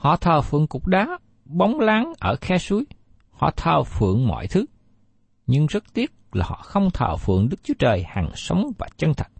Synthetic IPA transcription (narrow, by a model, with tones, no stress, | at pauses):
hɔ̰˧˨t̪ʰəː˨˩fɨ̰˧˨əŋkʊ˨˩k͡p̚ɗaː˨˦ | ɓa˨˦wŋ͡mlaː˨˦ŋʔəː˧˩xɛ˧su˨˦əj | hɔ̰˧˨t̪ʰəː˨˩fɨ̰˧˨əŋmɔ̰˧˨jt̪ʰɨ˨˦ | ɲɨ˧ŋzə˦˥t̚t̪i˦˥ət̚laː˨˩hɔ̰˧˨xə˧wŋ͡mt̪ʰə̰ː˨˩fɨ̰˧˨əŋɗɨ˦˥k̚t͡ɕu˨˦ət͡ɕəː˨˩jhaː˨˩ŋsə˨˦wŋ͡mvaː˨˩t͡ɕə˧nt̪ʰə˨˩k̚